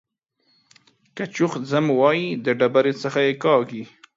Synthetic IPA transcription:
kat͡ʃʊxzəmwɑjid̪əɖabaɾet͡səxajekɑɡi

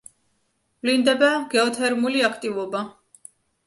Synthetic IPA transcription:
ɡlind̪ɛbaɡɛɔt̪ʰɛɾmuliakʰt̪ʼivɔba

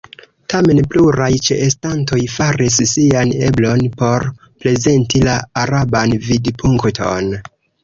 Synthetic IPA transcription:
tame̞npluɾajt͡ʃḛʔestanto̞jfaɾis̬siane̞̰blo̞npo̞ɾ | ple̞ze̞ntilaːɾabanvidpʰuŋktʰo̞̰n

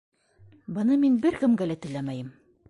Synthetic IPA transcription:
bɤ̆nɤminbɘɾkɘ̆mɡælæt̪ɘ̆læmæjɘm

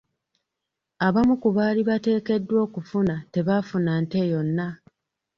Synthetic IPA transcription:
aβamukuβaːliβate̞ːke̞dːwo̞ːkufunate̞βafunante̞jo̞nːa

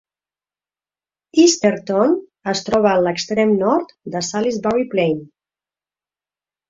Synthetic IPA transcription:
ist̪eɾt̪ɔnəst̪ɾɔβəːnləkst̪ɾɛmnɔɾt̪d̪əsalizbawiplejn

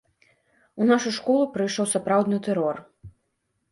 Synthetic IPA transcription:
unaʂuʂkɔlˠupɾɨjʂɔwsapɾawd̪nɨt̪ɛɾɔr

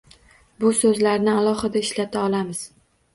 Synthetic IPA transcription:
bʊsɵzlaɾnɪalˠɒχɨd̪aɪʃlat̪ʰaɒlamɪz̥

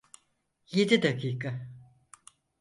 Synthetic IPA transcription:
jed̪id̪akiːka

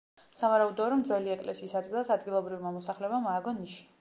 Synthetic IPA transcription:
savaɾaud̪ɔɾɔmd̪zwɛliɛkʼlɛsiːsad̪ɡilˠasad̪ɡilˠɔbɾivmamɔsaχlɛbamaːɡɔniʃi̥

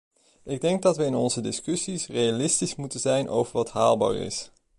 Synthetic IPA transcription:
ɪɡ̚dɛŋɡ̚dɑtʋəɪnɔnzədɪskɵsisrejalɪstismutənzɛjnʔo̰wvəɹʋɑtɦaːlˠba̰ːɹɪ̰s

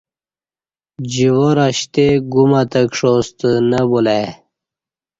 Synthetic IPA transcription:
d͡ʑiwoɾaɕt̪eɡumat̪əkʂost̪ənəbulaj

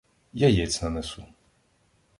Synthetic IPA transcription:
jajɛt͡s̪ʲnɐnɛsu

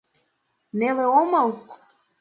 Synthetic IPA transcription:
neleomɑl

